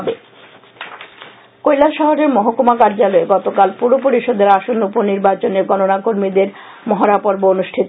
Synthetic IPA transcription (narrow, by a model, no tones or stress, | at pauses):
be | kojlaʃɔɦoɾeɾmɔɦokumakaɾd͡ʑaloeɡɔt̪okalpuɾop̬oɾiʃod̪eɾaʃonuponiɾbat͡ɕoneɾɡɔnonakoɾmid̪eɾ | mɔɦaɾapoɾboonuʃʈʰit̪o